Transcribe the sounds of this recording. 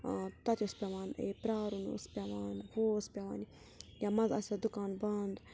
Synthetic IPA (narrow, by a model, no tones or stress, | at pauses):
t̪ɐt̪ʲospʲaʋaːnḛːpɾaːɾunṵspʲaʋaːnhoːspʲaʋaːn | jaːmɐnzɐ̰sʲad̪ukaːnbaːnd̪